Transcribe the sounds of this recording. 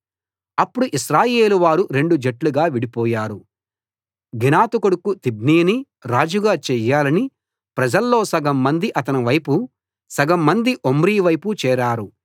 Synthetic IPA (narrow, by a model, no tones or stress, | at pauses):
ɐpːuɽuʔiʃɾaːje̞ːluʋaːɾuɾe̞ɳɖud͡ʒeʈluɡaːʋiɽipɔːjaːɾu | ɡinaːt̪ukuɽukut̪ibniːni | ɾaːd͡ʒuɡaːt͡ʃɛjaːlɐni | pɾɐd͡ʒɐlːo̞ːsɐɡɐmːɐnd̪iʔɐt̪ɐniʋɐjpu | sɐɡɐmːɐnd̪iʔomɾiːʋɐjput͡ʃɛːɾaːɾu